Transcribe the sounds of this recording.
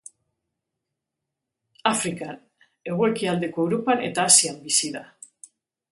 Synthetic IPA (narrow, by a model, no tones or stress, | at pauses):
afɾikan | e̞ɣ̞oe̞kiald̪e̞ko̞ewɾo̞pane̞̰t̪aːsiambisiða